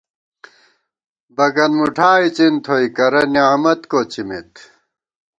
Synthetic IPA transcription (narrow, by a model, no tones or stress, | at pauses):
bɐɡɐnmuʈʰaːit͡ɕint̪ʰoikɐɾɐniaːmɐt̪koːt͡ɕimit̪